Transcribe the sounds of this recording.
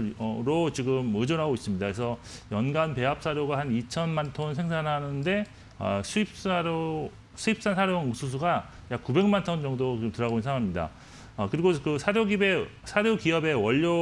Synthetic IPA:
ʌɾot͡ɕiɡɯmɯd͡ʑonɦaɡois͈ɯmɲidakesʰʌjʌnɡanpe̞ap̚s͈aɾjoɡahanit͡ɕʰʌnmantʰonsʰe̞ŋsʰanɦanɯnde̞ | ʌ̰sʰuip̚saɾo | sʰuip̚s͈ansʰaɾjosʰus̬ʰuɡa | jakube̞ŋmantʰond͡ʑʌŋdot͡ɕiɡɯmtɯɾaɡoinsʰaŋamɲida̰ | ʌkɯɾiɡokɯsʰaɾjoɡibe̞sʰaɾjokiʌbe̞wʌʎːo

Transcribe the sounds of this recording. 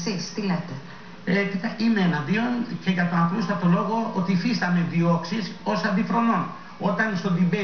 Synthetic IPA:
sist̪ilet̪e | epit̪ɐʔimeenɐðio̞nce̞ʝɐt̪onɐplust̪ɐt̪o̞lo̞ɣo̞ot̪ifist̪ɐme̞ðio̞ksiso̞sɐnd̪iθɾo̞no̞n | o̞t̪ɐnst̪o̞nd̪ibe

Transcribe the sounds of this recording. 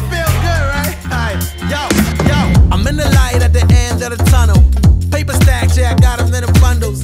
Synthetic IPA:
filˠɡʊd̚ɹaɪt̚aɪ | jojoãɪ̃mɨ̃nðɨlaɪɾɨt̪̚ðiʔɛ̃ndʌətʰʌnl̩ˠpʰeɪpəstæk̚seaɪɡɑɾɨmɪ̃nɨfʌ̃ndl̩ˠz̥

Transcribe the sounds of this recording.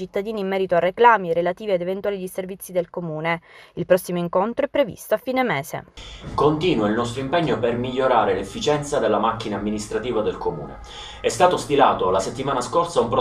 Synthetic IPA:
t͡ʃit̪ːad̪iːniːmːɛːɾit̪oareklaːmiɾelat̪iːviad̪event̪waːliʎiservit̪sːid̪elkomuːneilpɾɔsːimoiŋkont̪ɾoɛpːɾevḭst̪oafːiːnemɛːsḛkont̪iːnwailnɔst̪ɾoimpɛɲːopermiʎːoɾaːɾelefːit͡ʃɛnt̪sad̪elːamakːinaːmːinist̪ɾat̪iːvad̪elkomṵːnḛ | ɛst̪aːt̪ost̪ilaːt̪olaset̪ːimaːnaskorsaumpɾ

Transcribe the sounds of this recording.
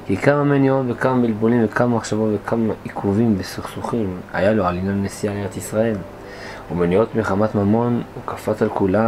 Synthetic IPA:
kikamamenio̞t̪vekamabilbulimvekʰamamaχʃavo̞tve̞kʰamaikʰuvimbesuχsuχima̰jaloalinjanːesialeʁet̪isʁae̞l | umenio̞t̪meχamat̪mamo̞nukafatalkula

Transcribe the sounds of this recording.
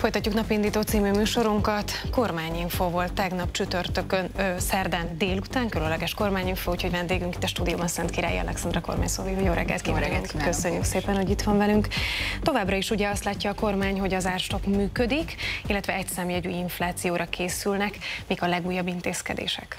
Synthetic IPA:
fo̞jt̪ɒcːuknɒpiind̪iːt̪oːt̪siːmyːmyːʃo̞ɾuŋkɒt̪ko̞rmaːɲiɱfoːvo̞lt̪ːɛɡnɒpt͡ʃyt̪ørt̪økønsɛrd̪ɛnd̪eːlut̪aːŋkylønlɛɡɛʃko̞rmaːɲiɱfoːucho̞ɟvɛnd̪eːɡyŋki̥t̪ːɛʃt̪uːd̪ijo̰ːbɒnsɛnt̪kiɾa̰ːjḭɛ̰lɛ̰ksɛnd̪ɾɛko̞̰rma̰ːɲso̰ːojojoːɾɛ̰ɡːɛ̰lt̪kikøsø̞ɲːykseːpɛnho̞ɟit̪ʋɒɱvɛlyŋkt̪o̞vaːbrɒiʃuɟɛɒst̪laːcːɒːko̞rmaːɲho̞ɟɒzaːrʃt̪o̞kmyːkød̪ikilːɛt̪ʋɛɛcsɛmiɛɟyːjiɱflaːt̪sijoːɾɒkʰeːsylnɛkmiːkɒlɛɡuːjːɒbːint̪eːskɛ̰d̪ḛːʃɛ̰k

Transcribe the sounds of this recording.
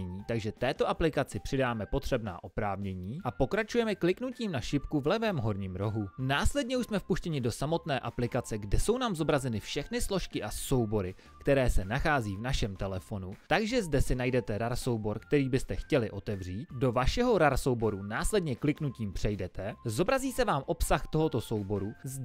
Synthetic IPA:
ɛɲiːt̪aɡʒɛt̪ɛːt̪o̞ʔaplɪkat͡sɪpr̝̥ɪdaːmɛpo̞t̪r̥ɛbna̰ːʔo̞pɾaːvɲɛɲiːʔapo̞kɾat͡ʃujɛmɛklɪknuciːmnaʃɪpkuvlɛvɛmɦo̞ɾɲiːmɾo̞ɦunaːslɛd̚ɲɛuʃsmɛfpuʃcɛɲɪdo̞samo̞t̪nɛːʔaplɪkat͡sɛɡdɛso̞wnaːmzo̞bɾazɛnɪfʃɛxnɪslo̞ʃkɪʔaso̞wbo̞ɾɪ | kt̪ɛɾɛːsɛnaxaːziːvnaʃɛmt̪ɛlɛfo̞nut̪aɡʒɛzdɛsɪnajdɛt̪ɛɾaɾso̞wbo̞ɾkt̪ɛɾiːbɪst̪ɛxcɛlɪʔo̞t̪ɛvr̝iːt̪̚do̞vaʃɛɦo̞ɾaɾso̞wbo̞ɾunaːslɛdɲɛklɪknuciːmpr̝̥ɛjdɛt̪ʰɛzo̞bɾaziːsɛvaːmʔo̞psaxt̪o̞ɦo̞t̪o̞so̞wbo̞ɾuzd

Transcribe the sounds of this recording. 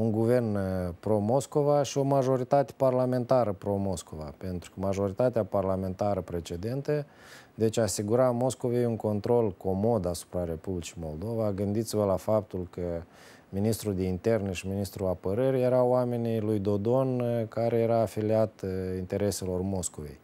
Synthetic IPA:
uŋɡuve̞rnpɾo̞mo̞sko̞vaʃio̞maʒo̞ɾit̪at̪e̥parlame̞nt̪aɾəpɾo̞mo̞sko̞va̰pe̞nt̪ɾu̥kəmaʒo̞ɾit̪at̪eaparlame̞nt̪aɾəpɾe̞t͡ʃe̞d̪e̞nt̪ə | d̪e̞t͡ʃʲasiɡuɾamo̞sko̞ve̞juŋko̞nt̪ɾo̞lko̞mo̞d̪asu̥pɾaɾe̞publit͡ʃimo̞ld̪o̞vaɡɨnd̪it̪sivəlafap̚t̪ulkə | minist̪ɾud̪e̞int̪e̞rneʃiminist̪ɾuapəɾəɾʲje̞ɾawame̞nilujd̪o̞d̪o̞nkaɾe̞je̞ɾaːfiliat̪int̪e̞ɾe̞se̞lo̞rmo̞sko̞ve̞̰j

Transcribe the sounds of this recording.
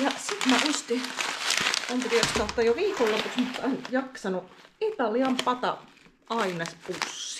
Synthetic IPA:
jɑsit̪mæʔust̪i | ɑnt̪riøkst̪ɑut̪ːɑjoʋiːkolopuksmut̪ːɑinjɑksɑnuit̪ɑliɑmpɑt̪ɑ̰ | ʔɑinɑspusːi̥

